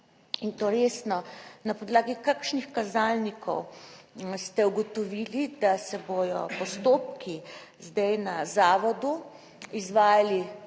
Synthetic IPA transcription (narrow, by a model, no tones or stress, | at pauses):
int̪oːɾesnɔnapɔd̪laːɡikakʃnixkazaːlnikʰɔw | st̪ɛuɡɔt̪ɔʋiːlid̪asɛbojɔ̰pɔst̪oːp̚ki | zd̪ajnazaːʋɔd̪u | izʋaːjali